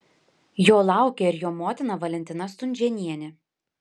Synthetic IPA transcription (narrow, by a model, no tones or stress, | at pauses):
joːlˠɑˑʊkʲɛɪɾjoːmoːt̪ʲɪnɐʋɐlʲɛnʲt̪ʲɪnɐst̪ʊnʲd͡ʒʲɛnʲiɛnʲɪ